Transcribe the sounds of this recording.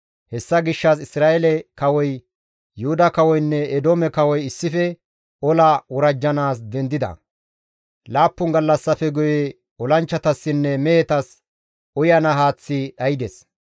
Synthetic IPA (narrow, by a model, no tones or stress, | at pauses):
hɛsːɐɡɪʃːɐsɪsɾaːʔɛlɛkɐwɔj | jʊhʊd̪ɐkɐwɔjnːɛːd̪oːmɛkɐwɔjɪsːɪfɛ | ɔlɐwɔɾɐd͡ʒːɐnaːsd̪ɛnd̪ɪd̪ɐ̰ | laːpːʊŋɡɐlːɐsːɐfɛɡʊjɛ | ɔlɐnt͡ʃːɐt̪ɐsːɪnːɛmɛjɛt̪ɐs | ʔɔjɐnɐɦaːt͡sːɪɗɐjɪd̪ɛs